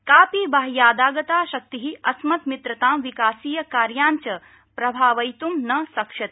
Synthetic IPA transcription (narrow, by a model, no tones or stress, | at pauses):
kaːpibaːɦjaːd̪aːɡɐt̪aːʃɐk̚t̪iɦiɐsmɐt̪mit̪ɾɐt̪aːmʋikaːsiːjɐkaːɾjaːɲt͡ʃɐ | pɾɐbʱaːʋɐjt̪umnɐsɐkʃɐt̪̚